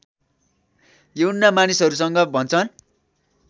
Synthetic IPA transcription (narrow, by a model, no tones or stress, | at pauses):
jewnːamanisɦʌɾusʌŋɡʌbʱʌnt͡sʰʌn